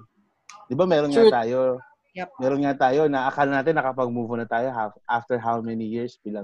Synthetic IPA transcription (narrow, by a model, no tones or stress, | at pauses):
d̪ɪbamɛːɾonŋat̪aːjo | mɛːɾonŋat̪aːjo̞nɐʔɐkalnaːt̪ɪnːɐkɐpɐɡ̚muːvʊnɐt̪aːjoɦaʔaft̪ɛɹɦawmɛnijɪɹsbila